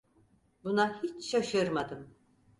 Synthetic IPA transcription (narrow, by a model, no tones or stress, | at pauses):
bunahit͡ʃʃaʃɯɾmad̪ɯm